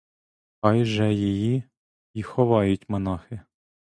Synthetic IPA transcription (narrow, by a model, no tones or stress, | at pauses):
xɑjʒɛjiji | ixɔʋɑjʊtʲmɐnɑxɪ